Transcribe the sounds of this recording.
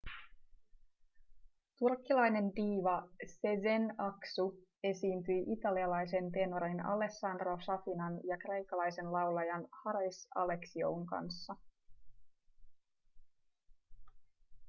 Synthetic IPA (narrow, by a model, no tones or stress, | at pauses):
t̪urkːilɑjne̞ndiːʋɑsezenɑksue̞siːnt̪yjʔit̪ɑliɑlɑjs̬e̞np̪e̞noɾinɑ̰le̞sːɑnd̪ro̞sɑfinɑnjɑkre̞jkːɑlɑjse̞nlɑwlɑjɑnhɑɾɑjsɑ̰le̞ksio̰uŋkɑ̰nsːɑ